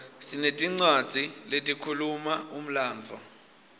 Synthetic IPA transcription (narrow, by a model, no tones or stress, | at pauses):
sinetʼiŋ͡ǀad̥z̥ʱiletʼikʰulumaum̩laːnd͡vʱɔ̰